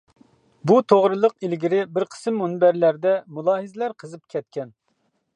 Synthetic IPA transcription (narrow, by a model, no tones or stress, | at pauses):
but̪ʰoʁɾɨlˠəqilɡʲiɾɪbɪɾqʰə̥sɨmːunbæɾlæɾd̪ɛmulˠɑːɦɨzɪlæɾqʰəzɨp̚kʲʰɛt̪̚kʲɛn